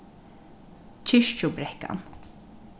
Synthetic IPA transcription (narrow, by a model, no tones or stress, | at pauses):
t͡ʃʰɪʃt͡ʃʊbɾɛhka̰n